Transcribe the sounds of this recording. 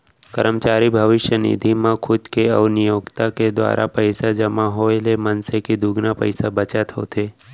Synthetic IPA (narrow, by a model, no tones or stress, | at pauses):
kəɾəmt͡ʃaːɾibʱəʋɪʃjənḭd̪ʱimãkʰʊd̪keɔʋnɪjoːɡt̪aked̪wa̰ːɾʔa̰pəɪsad͡ʒəmaɦoelemənsekid̪uːɡnapə̰ɪsabət͡ʃət̪ɦo̰ːt̪ʰeː